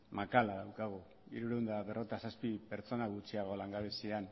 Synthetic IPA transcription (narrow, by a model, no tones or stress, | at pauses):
makalaðawkaɣ̞u | iɾuɾe̞und̪aβe̞ro̞t̪asaspipeɾt͡so̞naɣut͡siaɣ̞o̞laŋɡaβesian